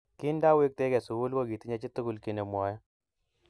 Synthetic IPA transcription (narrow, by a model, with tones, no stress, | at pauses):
ki˦nda˦we˦k̚te˦kɛ˨su˨ku˦lbo˦˨ɡi˨ti˦ɲe˦t͡ʃi˦tu˦ku˦lki˨ne˨mwɔ˦jɔ˦